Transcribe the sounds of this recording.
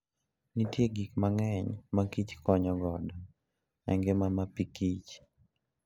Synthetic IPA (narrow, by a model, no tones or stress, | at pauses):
nitjeɡikmaŋɛɲmakit͡ʃkɔɲɔɡɔdɔ | ɛ̰ŋɡemamapikit͡ʃ